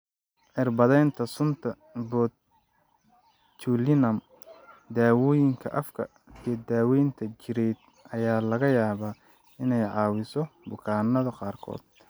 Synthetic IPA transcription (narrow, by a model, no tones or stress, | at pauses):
ʕɪrbɐðɛjnt̪ʰɐsʊnt̪ʰɐ | bɔ | t͡ʃʰulɪnɐm | d̪aːwɔːjɪŋkʰɐ̰ʔɐfkʰɐ̰ | ijɔd̪aːwɛjnt̪ʰɐt͡ʃɪɾɛjt̪ | ʔɐjaːlɐɣɐjaːβaː | ɪnɛjʕɑːwɪsɔbʊkʰaːnːɐðɐqɑːrkʰɔ̰ːd̪̥